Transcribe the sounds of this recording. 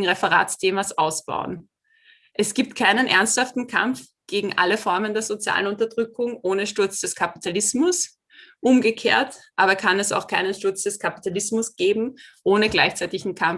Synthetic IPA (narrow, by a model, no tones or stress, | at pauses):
ŋ̩ʁefɛʁa̰ːstʰeːmasʔaʊsb̥a̰ʊən | ʔɛsɡ̥iːp̚tkʰaɪnənʔɛɐnsthaftn̩kʰa̰mf | ɡ̥eːɡŋ̩ʔa̰ləfɔɐməndeːɐzot͡sja̰ːlənʊntɐdʁʏkʊŋʔoːnəʃtʊɐt͡sd̥ɛskʰapi̥tʰalɪsmʊs | ʔʊmɡəkʰeːɐtʔaːbɐkʰanɛsa̰ʊxkʰaɪnənʃtʊɐt͡sd̥ɛskʰapi̥tʰalɪsmʊsɡ̥eːbm̩ʔoːnəɡlaɪçt͡sæɛɪtɪçn̩kʰam